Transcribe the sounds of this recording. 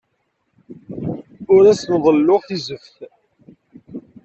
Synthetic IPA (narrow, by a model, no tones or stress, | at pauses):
ʊɾæsnðˤəlːʊʁθizəfθ